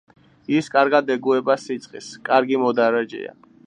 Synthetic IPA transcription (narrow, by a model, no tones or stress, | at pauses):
iskʼaɾɡad̪ɛɡuɛbasit̪sʼqʼiskʼaɾɡimɔd̪aɾad͡ʒɛ̰a̰